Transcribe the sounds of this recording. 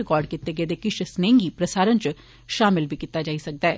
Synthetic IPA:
ɪkaːɾɖ̚kɪt̪ːeːɡeːd̪eːkɪʃsnẽːŋɡiːpɾəsaːɾənt͡ʃ | ʃaːmɪlbʱiːkɪt̪ːaːd͡ʒaːisək̚d̪aɛː

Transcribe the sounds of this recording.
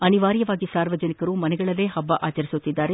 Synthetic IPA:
ɐniʋaːɾjɐʋaːɡisaːɾʋɐd͡ʒɐnikɐɾumɐnɛɡɐɭɐlːe̞ːɦɐbːɐʔaːt͡ʃɐɾisut̪ːid̪ːaːɾe

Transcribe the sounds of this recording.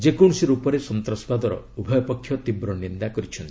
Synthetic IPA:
d͡ʒekoɽ̃siɾupɔɾesɔnt̪ɾɔspad̪ɔɾɔ̰ | ubʱɔjɔpɔkʰːjɔt̪ibɾɔnind̪akɔɾit͡ʃʰɔnt̪i

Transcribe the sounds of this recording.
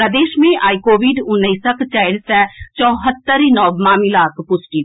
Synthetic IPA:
ɾɐd̪eːʃmẽʔaːikoːʋiɖʊnːəsəkt͡ʃaːɪɽsɛt͡ʃɔːɦət̪ːəɾinɔːʋmaːmilaːkʰpʊsʈi

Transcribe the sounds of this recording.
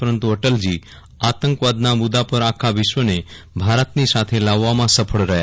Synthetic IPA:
pəɾənt̪uəʈəld͡ʒi | at̪əŋkʋad̪namʊd̪apəɾakʰaʋɪʃʋəne | bʱaɾət̪nisat̪ʰelaʋːamãsəpʰəɭɾəɦja̰

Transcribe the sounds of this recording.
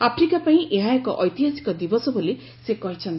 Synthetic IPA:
apʰɾikapaĩʔeɦãekɔʔɔjt̪iɦasi̥kɔd̪ibɔsɔbole | sekɔɦit͡ʃʰɔnt̪i̥

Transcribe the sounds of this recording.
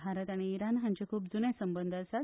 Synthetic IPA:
aɾət̪aɽ̃iːɾanɦãɲt͡ɕekʰuːpd͡zunẽsəmbənd̪ʱasa

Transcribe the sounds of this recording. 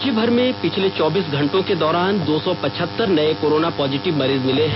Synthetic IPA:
d͡ʒibʱɐɾmẽpɪt͡ʃʰlet͡ʃɔːbiːsɡʱɐ̃ɳʈõked̪ɔːɾaːnd̪oːsɔpɐt͡ʃʰət̪ːəɾnɐekoːɾoːnapɔːzɪʈɪʋmɐɾiːzmɪleɦɛ̃

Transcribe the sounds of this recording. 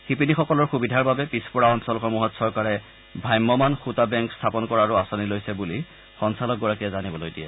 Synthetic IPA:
xipinixɔkɔlɔɹxubidʱaɹbabɛpispɔɹaɔnsɔlɔxɔɹmuɦɔtsɔɹkaɹɛ | bʱajmːɔmanxutabɛŋkstʰapɔnkɔɹaːɹuasɔnilojsɛbuli | xɔŋsalɔk̚ɡɔɹakijɛzanibɔlojdija̰

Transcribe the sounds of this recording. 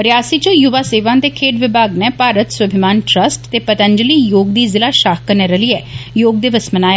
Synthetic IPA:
ɾɪjaːsiːt͡ʃəjʊʋaːseːʋãːnt̪eːkʰeːʈʋɪbʱaːɡnɛːpaːɾət̪swəbʱɪmaːnʈɾəsʈt̪eːpət̪ə̃ɲd͡ʒəliːjoːɡ̚d̪iːzɪlaːʃaːkkəɾnɛːɾəliːɛːjoːɡ̚d̪eːʋəsmənaːja

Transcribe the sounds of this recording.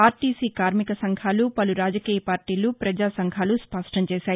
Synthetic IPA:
aːɾʈiːsiːkaːɾmikɐsɐŋɡʰʱaːlupɐluɾaːd͡ʒɐkiːjɐpaːɾʈiːlupɾɐd͡ʒaːsɐŋkʰaːluspɐʂʈʰɐɲt͡ʃeːʃaːj

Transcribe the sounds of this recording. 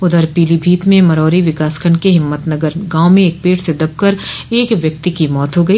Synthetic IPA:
ʊd̪əɾpiːlibʱiːt̪mẽmɐɾɔːɾiʋɪkaːskʰəɳɖkeɦɪmːət̪nɐɡəɾɡãːʊmẽeːk̚peːʈsed̪ɐb̚kəɾeːkʋjɐk̚t̪ikimɔːt̪ɦoɡɐiː

